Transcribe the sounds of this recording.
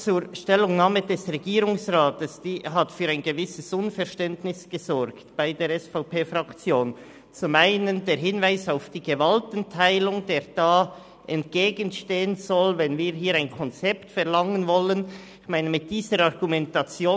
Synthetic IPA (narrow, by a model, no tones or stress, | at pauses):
t͡suːɾʃtɛlʊŋnaːmədɛsʁɛɡiːɾʊŋsʁaːtəsd̥iːɦatfyːɾaɪnɡəvɪsəsʊnfɛɾʃtɛntnɪsɡ̥əzɔɾktb̥aɪdeːɾɛsfaʊpeːfʁakt͡sjoːn | t͡sʊmaɪnəndeːɾɦɪnvaɪsaʊfd̥iːɡ̥əvaltən̩tʰaɪlʊŋdeːʁd̥aː | ʔɛntɡ̥eːɡənʃteːənzɔlvɛnviːɾɦiːɾaɪnkʰɔnt͡sɛptfɛʁlɑŋənvɔlən | ɪçmaɪnəmɪt̚d̥iːzəɾɑʁɡ̥umɛntat͡sjoː